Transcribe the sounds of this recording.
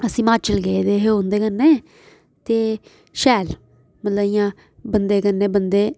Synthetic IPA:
əsĩːmaːt͡ʃəlɡeːed̪eːɦõːnd̪eːkəɾneː | t̪eː | ʃɛːl | mət̪ləɪjãː | bənd̪eːkəɾnːeːbənd̪eː

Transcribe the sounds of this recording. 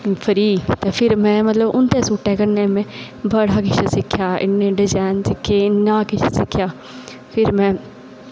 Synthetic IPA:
pʰəɾiːt̪eːpʰɪɾmɛ̃ːmət̪ləbʊnt̪eːsʊːʈːɛːkəɾnẽːmẽː | bəɽaːkɪʃesɪkʰːjaːɪ̰nːẽːɖɪd͡ʒaːnsɪkʰːeːnːãːkɪt͡ʃʰːsɪkʰjaː | pʰɪɾmɛ̃ː

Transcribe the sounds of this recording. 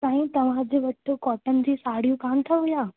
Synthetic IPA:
sãːɦĩt̪ɐʋ̤ãd͡ʑeːʋɐʈʰːokɔːʈənɪ̆d͡ʑ̪iːsaːɽ̤ijũkaːnt̪ʰaɦʊjaː

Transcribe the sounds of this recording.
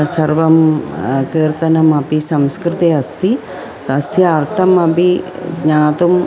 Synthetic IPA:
sɐɾʋɐmkiːɾt̪ɐnɐmɐpisɐmskɾit̪iɐst̪i | t̪ɐsjɐːɾt̪ʰɐmɐpiɡɲaːt̪um

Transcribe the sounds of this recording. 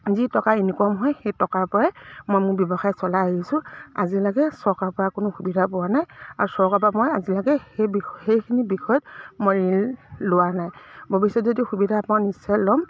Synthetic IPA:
zitɔkainikɔmɦɔjxejtɔkaɹpɔɹɛmojmʊɹbjɔbɔxajsɔlaaɦisʊ̃a̰zilaɡɛsɔɹkapɔɹakʊnʊxubidʱapʊwanaja̰ɹusɔɹkap̬amɔjazilaɡɛhebixejkʰinibixɔjɔtmɔɹillʊwanajbʱobisɔtzodixubidʱaːpnanisːɔjlɔm

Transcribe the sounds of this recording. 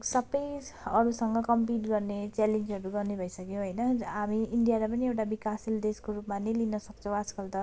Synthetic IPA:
sʌbʌjʌɾusʌŋɡʌkʌmpiʈɡʌrnet͡selend͡zɦʌɾuɡʌrnebʱʌisʌkjõɦʌjnʌɦamiiɳɖijaɾapʌniewʈabikasild̪eskoɾupmanelinʌsʌkt͡sʰʌ̃w̃ad͡zkʌlt̪ʌ

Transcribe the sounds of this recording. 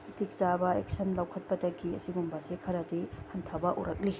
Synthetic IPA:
tik̚zabɐek̚sɐnlɐwkʰɐt̚pɐdɐɡiɐ̰siɡumbɐsekʰɐɾɐdihɐntʰabɐʔṵɾɐk̚li

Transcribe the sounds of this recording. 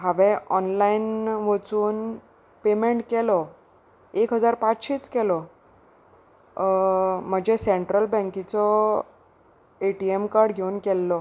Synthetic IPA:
ɦaʋẽɔnlainʋət͡suːn | pemeɳʈkɛlɔ | ekɦəd͡zaɾpat͡sɕiːt͡skɛlɔ | m̤əd͡ʑʱeseɳʈɾəlbə̃ŋkit͡sɔ | eʈiemkaɾɽɡʱeunkɛlːɔ

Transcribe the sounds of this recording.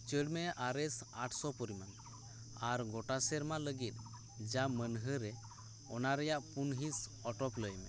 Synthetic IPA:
t͡ʃəɽmɛʔaɾɛsaʈʰsɔpɔɾiman | aɾɡɔʈasɛɾmaləɡit̪̚ˀ | d͡ʒamənɦəɾɛ | ɔnaɾɛjaʔpunɦisɔʈɔkləjmɛ

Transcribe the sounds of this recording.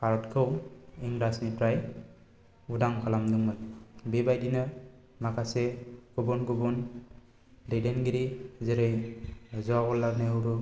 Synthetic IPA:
kʰaɾɔtkʰɯwiŋɾasnipɾaj | udaŋkʰalamdɯŋmɯjbebajdinɯ | makʰasekubɔnɡubɔn | ɾedenɡiɾizeɾɯjzɔaɡɔlːaɾneuɾu

